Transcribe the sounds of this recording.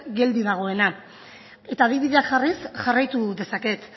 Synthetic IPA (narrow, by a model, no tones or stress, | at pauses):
ɡe̞ld̪iðaɣ̞o̞e̞na | e̞t̪aːðiβiðe̞akʝarisʝarajt̪uðe̞sake̞t̪